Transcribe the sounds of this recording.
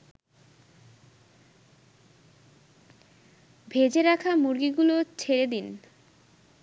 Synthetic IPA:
bʱed͡ʑeɾakʰamuɾɡiɡulot͡ɕʰeɾed̪in

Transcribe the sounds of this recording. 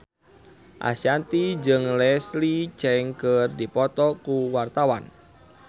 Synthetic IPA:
ʔa̰sijant̪id͡ʒəŋlɛslit͡ʃɛŋkərdipɔt̪ɔkuwart̪awa̰n

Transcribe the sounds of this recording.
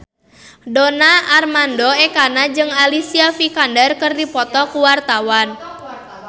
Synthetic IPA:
donaːrmandɔɛkanad͡ʒɨŋalisiafikandərkərdipɔt̪ɔkuwart̪awan

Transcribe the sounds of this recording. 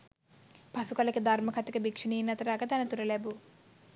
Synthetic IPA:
pɐsukɐlɐked̪ʱɐɾmɐkʰɐt̪ɐkɐbikʂiniːnɐt̪ɐɾaːɡɐt̪ɐnɐt̪uɾɐlɛbu

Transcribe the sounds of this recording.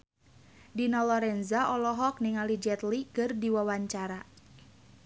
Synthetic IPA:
dinɔlɔɾɛnzaʔɔlɔɦɔk̚niŋalid͡ʒɛt̪likɨrdiwawaɲt͡ʃaɾa

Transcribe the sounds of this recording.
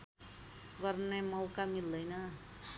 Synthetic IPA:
ɡʌrnemʌwkamild̪ʌjnʌ

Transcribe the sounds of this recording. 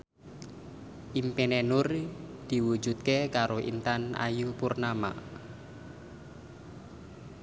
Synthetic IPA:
ʔimpenenʊrd̪̥i̤wu̥d͡ʒ̥ṳt̪̚kekaɾoʔḭnt̪ana̰jupurnama̰

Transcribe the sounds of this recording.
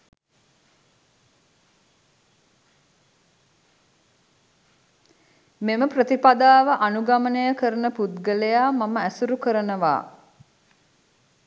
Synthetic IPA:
meməprət̪ipad̪aːʋəʔanuɡamənəjəkəɾənəpud̪ɡələjaːmaməæsuɾukəɾənəʋa̰ː

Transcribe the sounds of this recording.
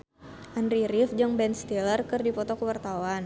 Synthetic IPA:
ʔandɾiɾifd͡ʒaŋbɛnst̪ilərkɨrdipɔt̪ɔkəwart̪awan

